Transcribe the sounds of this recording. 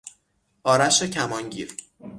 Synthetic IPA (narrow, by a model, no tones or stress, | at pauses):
ʔɒːɾæʃecʰæmɒːnɟiːɾ